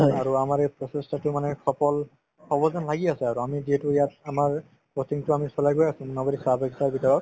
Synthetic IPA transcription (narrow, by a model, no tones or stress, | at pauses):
aɹuamaɹɛpɹɔsestatʊmanɛkʰɔpɔl | kʰɔbɔzɔnlaɡiasɛaɹuamidiɛtujatamaɹ | ɔsiŋtʊamisɔlajɡojasũmunɔbɔdisabakisaɹbitɔɹɔ